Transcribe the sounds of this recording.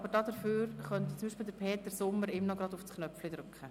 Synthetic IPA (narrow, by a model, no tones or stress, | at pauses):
ɑbəɾd̥ɑːd̪əføːɾχœnt̪t͡sʊmbiːʃpildəɾpʰeːt̪əɾsʊmːəɾɪmnɔɡɾɑd̪ufsknœflid̪ɾʏkχə